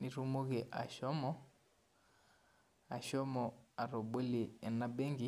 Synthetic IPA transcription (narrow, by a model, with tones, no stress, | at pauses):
ni˨ɾu˦mo˦ɣe˨ʔa̰˨ʃɔ˦mɔ˦ | a˨ʃɔ˦mɔ˨a˨ɾo˨be˦li˨ɛ˨na˦be˦ŋɡi˦